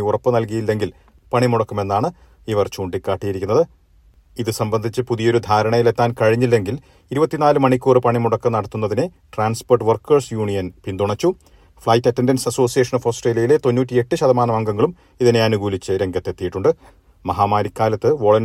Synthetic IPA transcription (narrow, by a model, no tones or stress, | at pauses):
urɐpːɨnɐlk̬ɐjilːe̞ŋɡil | pɐɳimuɽɐkːume̞nːaːɳɨ | iʋɐrt͡ɕuːɳɖikːaːʈːijiɾikʲːunːɐðɨ | iðɨsɐmbɐnd̪ʱit͡ɕːɨpuðijo̞ɾud̪ʱaːɾɐɳɐjile̞t̪ːaːnkɐɻiɲːilːe̞ŋɡil | iɾubɐt̪ːinaːlumɐɳikʲːuːrɨpɐɳimuɽɐkːɐnɐɽɐt̪ːunːɐðine | ʈraːnspoːrʈːʋɐrkːɐrsjuːɳijɐnpind̪uɳɐt͡ɕːu | fɭɐjtːɐtːendɐnsɐso̞ːsijeʂɐnofoːsʈreːlijɐjile̞t̪o̞nːuːt̬ʲːie̞ʈːɨɕɐðɐmaːnɐmɐŋɡɐŋːɐɭum | iðine̞ɐnuɡuːlit͡ɕːɨɾeŋɡɐt̪ːe̞t̪ːijiʈːuɳɖɨ | mɐɦaːmaːɾikːaːlɐt̪ːɨʋo̞ɭɐn